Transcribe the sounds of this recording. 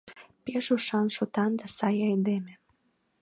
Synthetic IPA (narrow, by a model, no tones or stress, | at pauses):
peʃuʃɑnʃot̪ɑnd̪ɑsɑjɑjd̪eme